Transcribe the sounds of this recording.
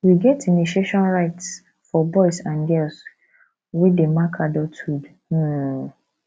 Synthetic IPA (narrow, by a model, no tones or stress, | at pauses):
wiɡɛtiniʃieʃɔ̃nɹaɪts | fɔbɔɪsãnɡɛls | widemakʰadɔtʰud̩